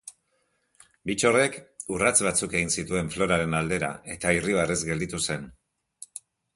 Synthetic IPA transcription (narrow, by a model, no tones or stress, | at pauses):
bit͡ʃo̞re̞kurat͡sβat͡suke̞ɣinsit̪ue̞ɱflo̞ɾaɾe̞nald̪e̞ɾa̰e̞t̪airiβ̞are̞zɡe̞ld̪it̪use̞n